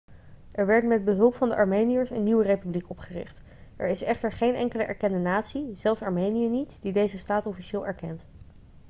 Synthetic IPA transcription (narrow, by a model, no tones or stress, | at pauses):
ʔɛɹʋɛɹtmɛd̚bəɦɵlˠpfɑndəʔɑɹmejnijəɹsənːiwərejpyblikɔpχərɪ̰χt | ʔɛ̰ɹɪsɛχtəɹχejnʔɛŋkələʔɛ̰ɹkɛndənaːtsiz̥ɛlˠfsɑɹmejnijənitd̥idejzəstaːtɔfiʃɪːlˠɛɹkɛnt